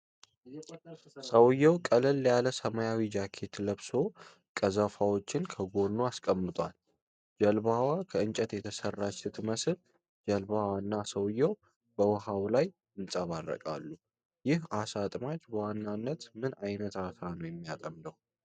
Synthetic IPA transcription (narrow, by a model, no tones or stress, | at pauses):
səwjɛwkʼəlɨljaləsəmajawid͡ʒakʰe̞t̪ləβso̞ | kʼəzəfawo̞t͡ʃːɪnkʰəɡo̞nːuaskʼəmːɨt̪ʼwal | d͡ʒəlbawakʰəɨnt͡ʃʼət̪jɛt̪ʰəsərːat͡ʃsɨt̪ʰməsl | d͡ʒəlbawanːasəwjːɛw | bəwɔɦawlaj | ɨnsʼəβarə̰kʼa̰lːu | jɪhasat̪ʼmat͡ʃbəwanːanːət̪mɨnajnət̪at̪ʰanəwjɛmːijat̪ʼəmd̪əw